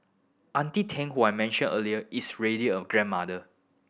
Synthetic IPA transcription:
ʔãntitʰɛ̃ŋhuajmɛ̃nʃə̃nʔə̰liəʔisɹediɔɡɹɛ̃nmadə

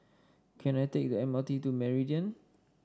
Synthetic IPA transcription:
kʰɛ̃najtek̚dəɛ̃mətitumɛɹidiə̃n

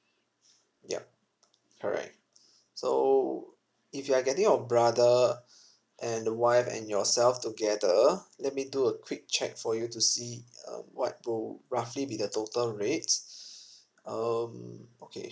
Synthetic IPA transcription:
jɛ̰p̚ | kʰəɹɛ̰k̚t | so̰ | ifjuaɡɛtĩŋɔbɹadə | ʔɛ̃ndəwaɪfɛ̰̃njɔsɛlftuɡɛdəlɛt̚miduəkʰwik̚t͡ʃɛ̰k̚fɔjutusiʌ̰̃mwɔ̰t̚wilɹaflibidətotəlɹet | ʌmokʰḛ

